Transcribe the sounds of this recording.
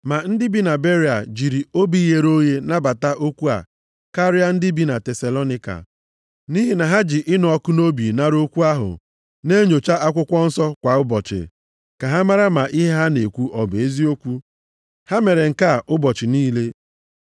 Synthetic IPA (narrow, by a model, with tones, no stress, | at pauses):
ma˨n̩˦dɪ˦bi˦na˨be˦ɾi˨a̰˨d͡ʒi˨ɾi˨o˦bi˦je˨ɾo˦je˦na˦ba˨ta˦ʔo˦kʷu˦a̰˨ | ka˦ɾɪ˦a˦n̩˦dɪ˦bi˦na˨te˨sa˨lo˦nɪ˦ka̰˨ | ni˦ɦi˨na˨ɦa˦d͡ʒɪ˨ʔɪ˦nʊ˨ɔ˦kʊ˦no˦bi˨na˦ɾo˦kʷu˦a˦ɦʊ̰˨ | ne˦ɲo˨t͡ʃa˦a˦kʷʊ˦kʷɔ˦n̩˦sɔ˦kʷa˨ʊ˦bɔ˨t͡ʃɪ̰˨ | ka˨ɦa˦ma˦ɾa˦ma˨ʔi˦ɦe˦ɦa˦ne˨kʷu˦ʔɔ˨be˦zi˦o˦kʷu˦ | ha˦me˨ɾe˨ŋ̩˨ka˦˨ʊ˦bɔ˨t͡ʃɪ˨niː˦le˦